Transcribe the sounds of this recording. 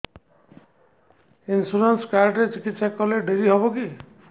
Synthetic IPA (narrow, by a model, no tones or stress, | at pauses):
insuɾenskaɾɖɾet͡ʃikit̪sakːɔleɖʱeɾiɦɔboki